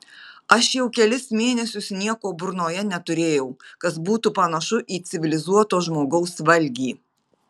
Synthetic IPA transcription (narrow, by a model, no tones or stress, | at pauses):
ɐʃjɛʊkʲɛlʲɪsmʲeːnʲɛsʲʊsnʲiɛkoːbʊɾnoːjɛnʲɛt̪ʊɾʲeːjɛʊkɐs̬buːt̪upɐnɐʃʊʔiːt̪sʲɪʋʲɪlʲɪzuɔt̪oːʒmoːɡɐʊsʋɐlʲɡʲiː